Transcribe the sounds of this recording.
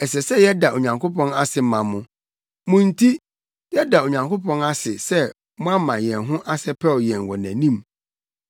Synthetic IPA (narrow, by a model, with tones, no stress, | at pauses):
ɛ˨sɛ˨sɛ˦jɛ˦da˨o˨ɲã˨ŋko˦pʰɔ̃˦na˦sɪ˨m˦mã˨mʊ̃˨ | mʊ̃˦n̩˦tʰi˦ | jɛ˦da˨o˨ɲã˨ŋko˦pʰɔ̃˦na˦sɪ˨sɛ˦ | mʊ̃˦a˦mã˨jɛ̃˨nɦʊ̃˦ʔa˦sɛ˦pʰɛ˦˨jɛ̃˨ŋ˨wɔ˨næ̰̃˨nĩ˦m